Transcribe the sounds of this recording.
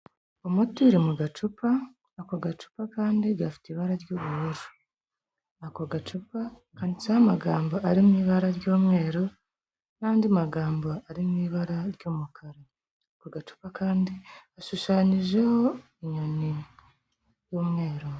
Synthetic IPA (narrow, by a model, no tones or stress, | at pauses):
omutiɾimuɡat͡ʃupaː | koɡat͡ʃu̥pakaːndiɡafi̥teiβaɾaɾjoːβuhoʒu̥ | akoɡat͡ʃupa | kaːndisahamaɡaːmboʔaɾimumiːβaɾaɾjo̞ːmŋe̞ːɾo | naːndimaɡaːmboaɾimumiːβaɾaɾjoːmukʰaɾe | koɡat͡ʃu̥pakaːndiaʃuʃaːɲiʒe̞ho̞ | iɲoni | joːmŋe̞ːɾo